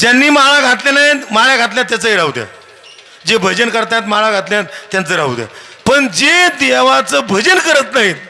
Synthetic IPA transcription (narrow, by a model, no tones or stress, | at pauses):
d͡ʑjanːiːmaɭaɡʱat̪lenaɦit̪maɭjaɡʱat̪̬ljat̪ːjat͡səɦiɾaud̪ja̰ | d͡ʑebʱəd͡ʑənkəɾt̪at̪̬maɭaɡʱat̪ljnat̪ːjat͡səiɾaud̪ja̰ | pəɳd͡ʑed̪eʋat͡səbʱəd͡ʑənkəɾət̪naɦit̪